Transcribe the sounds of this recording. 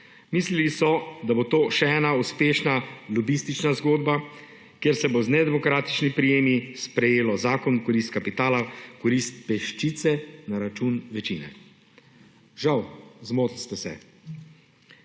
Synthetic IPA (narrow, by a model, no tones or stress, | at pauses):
miːslilisɔd̪abot̪oːʃɛɛːnauspeːʃnalɔbist̪it͡ʃnazɡoːd̪̚ba | kjeːɾsɛboznɛd̪ɛmɔkɾaːt̪i̥t͡ʃnipɾijeːmispɾɛjeːlɔzaːkɔnkɔɾist̪̚kapit̪aːlakɔɾist̪̚pɛʃt͡ʃit̪sɛnaɾat͡ʃunʋɛt͡ʃḭːnɛ̰ | ʒawzmoːt̪list̪ɛsɛ̰